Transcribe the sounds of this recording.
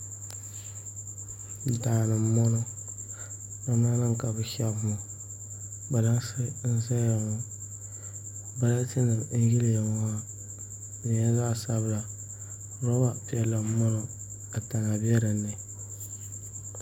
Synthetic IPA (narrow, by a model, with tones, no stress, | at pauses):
daː˨nɨ˨˦mːɔ˦nɔ˦ | a˦na˦na˦ŋ˨ka˨bɨ˨ʃɛ˦bma˨ | ba˨la˦sɨ˦n̩˦zɛ˦ja˨ŋɔ˨ | ba˨la˦tɪ˦nɨ˨ɾ̩˨˦ɡi˦lɪ˨ja˨ŋa˦ | bɛ˨ɛ˦za˦˨sa˦bɨ˦la˨˦ | ɾɔ˦wa˦pi˦ɛ˦lːa˨˦mɔ˦nɔ˦ | a˨ta˨ŋa˨bi˦ɛ˦ɾɨ˨nːɨ˨